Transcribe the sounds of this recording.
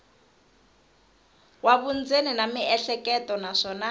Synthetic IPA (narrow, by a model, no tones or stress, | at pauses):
waβund͡zeninamiɛɬɛkʼɛtʼɔnaʂɔːna